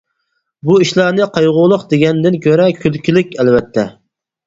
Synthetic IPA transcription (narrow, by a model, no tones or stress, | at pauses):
buiʃlˠɑɾnɨqʰɑjʁʊlˠʊqd̪eɡʲɛnd̪ɪnkʲʰøɾɛkʲʰylkʲilɪkʲɛlvɛt̪ʰːɛ